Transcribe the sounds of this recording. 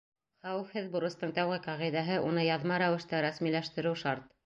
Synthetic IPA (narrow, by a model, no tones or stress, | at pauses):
χæwɘ̆fhɘðbŭɾɤ̆st̪ɤɴt̪æwʁɘqɑʁiðæɦɤʔunɤjɑðmɑɾæwɘ̆ʃt̪æɾæsmilæʃt̪ɘ̆ɾɘwʃɑɾt̪